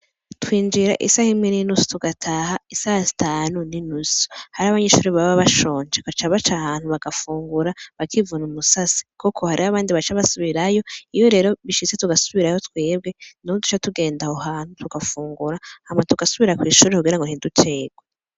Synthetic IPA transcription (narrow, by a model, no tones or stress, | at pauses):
twiːnd͡ʒiɾa̰ʔḭsahimŋeninusu̥tuɡatʰaɦaisasi̥tʰaːnuninusu̥haɾaβaɲeʃuːɾeβaβaβaʃo̞ːnd͡ʒekat͡ʃaβat͡ʃahaːn̥huβaɡ̥afuːŋɡuɾaβakʰivunumusasi̥kokʰo̞haɾihaβaːndiβat͡ʃaβasuβiɾajo̞ijo̞ɾe̞ːɾo̞βiʃit͡se̞tuɡasuβiɾajo̞twe̞ːb̚ɡe̞nuodu̥t͡ʃatuɡe̞ːndahohaːn̥hutʰuɡafuːŋɡuɾahametuɡasuβiɾakwiːʃuːɾekuɡiɾaŋɡonidutʰe̞ːɡwe